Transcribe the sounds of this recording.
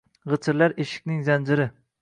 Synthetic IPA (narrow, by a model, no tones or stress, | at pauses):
ʁɨt͡ʃʰɪɾlaɾeʃɪ̥kʲnɪŋzand͡ʒɪɾɪ